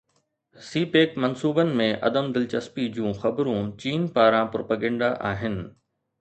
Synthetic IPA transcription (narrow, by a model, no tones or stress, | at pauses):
siːpeːkmɐnsuːbənɪ̆mẽʔɐ̰d̪əmd̪ɪlt͡ɕɐspid͡ʑũːxɐbɾũt͡ɕiːnpaːɾãpɾoːpaɡɛ̃ːɳɖaʔaːɦɪnɪ̆